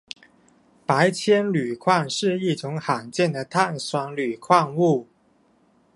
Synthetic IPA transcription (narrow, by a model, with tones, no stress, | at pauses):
pa˧˥ɪt͡ɕʰjɛ˥nly˨˩kʰwa˥˧ŋʂɻ̩˥˧i˥˩ʈ͡ʂʊ˧˥ŋxa˨˩ŋt͡ɕjɛ˥˩nd̪ə˩t̪ʰa˥˩nswa˧˥ŋly˨˩kʰwa˥˧ŋu˥˩